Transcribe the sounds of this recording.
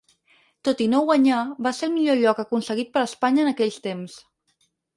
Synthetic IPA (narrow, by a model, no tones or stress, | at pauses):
t̪ot̪inoɣwaɲaβaseəlˠmiʎoʎɔkəkunsəɣit̪̚pəɾəspaɲəːnəkɛʎst̪ems